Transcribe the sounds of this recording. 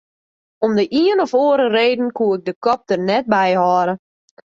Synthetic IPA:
ɔmdəʔiənɔfoːəɾəreːdən̩kuəɪk̚dəkɔp̚tərnɛt̚bɛjhɔːɾə

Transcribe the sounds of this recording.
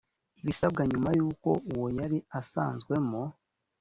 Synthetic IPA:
iβisab̚ɡaɲumajuːko̞̰ʔuwojaɾiasa̰ːnzɡwe̞mo

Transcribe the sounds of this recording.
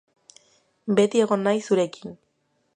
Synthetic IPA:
be̞t̪ie̞ɣ̞o̞nːajsuɾe̞kin

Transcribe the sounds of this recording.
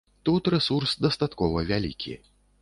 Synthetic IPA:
t̪ut̪ɾɛsursd̪ɐst̪at̪kɔvɐvʲalʲḭkʲʰḭ

